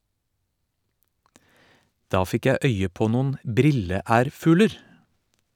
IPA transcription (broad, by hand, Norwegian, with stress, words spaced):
ˈdɑː ˈfɪk ˈjæ ˈœʏə ˈpoː ˈnʊn ˈbɾɪləˌæːɾfʉːləɾ